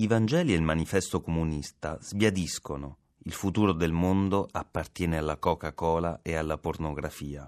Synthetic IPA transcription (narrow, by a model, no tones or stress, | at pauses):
ivand͡ʒɛːlielmanifɛst̪okomunist̪az̥bjad̪iskono | ilfut̪uːɾod̪elmond̪oapːart̪jɛːnealːakɔːkakɔːlaealːapornoɡɾafiːa̰